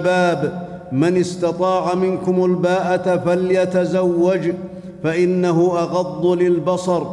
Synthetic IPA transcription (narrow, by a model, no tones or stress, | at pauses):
baːb | manɪst̪ɑt̪ˤɑːʕamɪnkʊmalbaːʔat̪faljat̪azawːad͡ʒ | faʔɪnːaɦʊʔɑɣɑd̪ˤːʊlɪlbɑsɑɾˤ